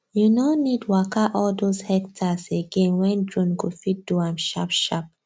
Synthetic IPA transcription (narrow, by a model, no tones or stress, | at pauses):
junonidwakaʔɔldoshɛktʰaseɡẽnwɛ̃ndɹũnɡofit̚d̥uãmʃa̰pʃap̚